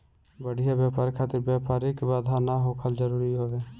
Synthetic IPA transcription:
bəɽɪjabjaːpaːɾkʰaːt̪ɪɾbjaːpaːɾɪkbaːd̪ʱaːnaːɦoːkʰəld͡ʒəɾuːɾiɦoːʋeː

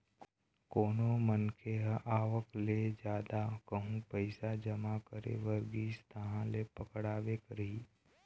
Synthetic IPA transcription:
koːnomənkʰeɦʔaːʋəkled͡ʒjaːd̪akəɦũpəɪsad͡ʒɐmakəɾḛʋəɾɡist̪ʰɐɦãlepəkɽaːʋekəɾiː

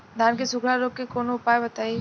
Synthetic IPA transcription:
d̪ʱaːnkesʊɡʱɽaɾoːkːekoːnoʊpaːebɐt̪aːi

